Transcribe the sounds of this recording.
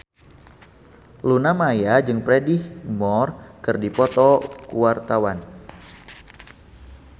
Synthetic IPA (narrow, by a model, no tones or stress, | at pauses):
lunamajad͡ʒɨŋpɾɛdihmɔrkɨrdipɔt̪ɔkuwart̪awan